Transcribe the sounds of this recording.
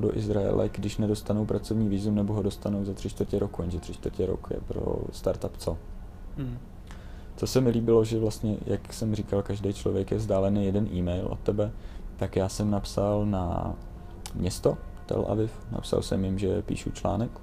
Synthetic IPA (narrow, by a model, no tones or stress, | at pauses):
do̰ʔɪzɾaɛ̰lʔɛ̰ɡdɪʃnɛdo̞st̪anowpɾat͡so̞vɲiːviːzumnɛboɦodo̞st̪anowzat̪r̥ɪʃt̪vərcɛɾokujɛnʒɛt̪r̝̥ɪʃt̪vrcɛɾo̰kjɛ̰pɾo̰st̪aɾt̪apt͡so | t͡sosɛmɪliːbɪlo̞ʒɛvlast̪ɲɛjʔaksɛmriːkalkaʒdejt͡ʃlo̞vjɛkjɛvzdaːlɛnɪjɛdɛnʔiːmɛjlʔo̰t̪ːɛbɛt̪akjaːsɛmnapsalna̰ | mɲɛst̪o̞t̪ɛ̰lʔa̰vɪfna̰psa̰lsɛ̰mjɪmʒɛpḭːʃut͡ʃla̰ːnɛk